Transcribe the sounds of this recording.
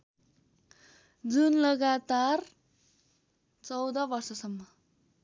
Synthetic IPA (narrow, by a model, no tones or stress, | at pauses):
d͡zunlʌɡat̪ar | t͡sʌwd̪ʌbʌrsʌsʌmːʌ